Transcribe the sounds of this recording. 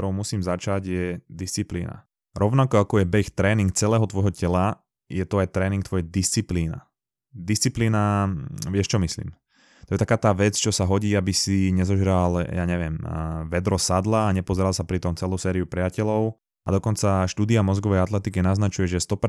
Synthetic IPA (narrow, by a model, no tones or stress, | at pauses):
ɾɔʊmusiːmzat͡ʃaɟjɛd̪ist͡siplḭːna̰ | ɾɔʊnakɔakɔjɛbɛxt̪ɾɛːniŋk̚t͡sɛlɛːɦɔt̪ʋɔjɦɔcɛla | jɛt̪ɔajt̪ɾɛːniŋkt̪ʋɔjɛd̪ist͡sipliːna̰ | d̪ist͡sipliːnaʋɪɛʃt͡ʃɔmislḭːm | t̪ɔjɛt̪akaːt̪aːʋɛt͡st͡ʃɔsaɦɔɟiːabisiɲɛzɔʒɾaljaːɲɛʋɪɛmʋɛd̪ɾɔsad̪laːɲɛpɔzɛɾalˠsapɾit̪ɔmt͡sɛlusɛːɾiupɾɪacɛlɔʊ | ad̪ɔkɔnt͡saʃt̪uːd̪iamɔzɡɔʋɛjat̪lɛt̪ikinaznat͡ʃujɛʒɛst̪ɔp